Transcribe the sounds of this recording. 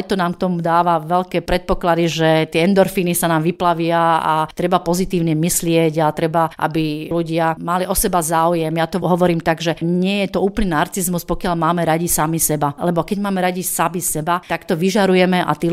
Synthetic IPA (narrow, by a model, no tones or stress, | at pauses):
jt̪ɔnaːmk̚t̪ɔmmud̪aːʋaʋɛlkɛːpɾɛt̪̚pɔklad̪iʒɛt̪ɪɛɛnd̪ɔɾfiːnisanaːmʋiplaʋɪaat̪ɾɛbapɔzit̪iːʊɲɛmislɪɛɟat̪ɾɛbaʔa̰biluɟɪamaliʔɔsɛbazaːujɛmjat̪ɔɦɔʋɔɾiːmt̪aɡʒɛɲɪɛjɛt̪ɔuːplɲɛnaɾt͡sizmuspɔkɪalmaːmɛɾaɟisamisɛbalɛbɔkɛɟmaːmɛɾaɟisamisɛbat̪akt̪ɔʋiʒaɾujɛmɛʔa̰t̪iː